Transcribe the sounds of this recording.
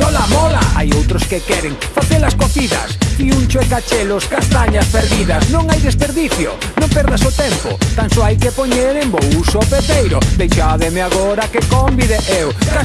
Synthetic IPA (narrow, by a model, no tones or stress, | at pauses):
ɔlamɔlaa̰jowt̪ɾʊskekɛɾeŋfaθelaskoθiðɐ̰spiunt͡ʃʊekat͡ʃeloskast̪aɲaspeɾðiðɐsnõŋajðespeɾðiθjʊ̰ | nõmpɛɾðasʊt̪ɛmpʊ̰t̪ansoajkepoɲeɾembowsopep̪ejɾʊd̪ejʃaðemeaɣoɾakekombiðeʔewka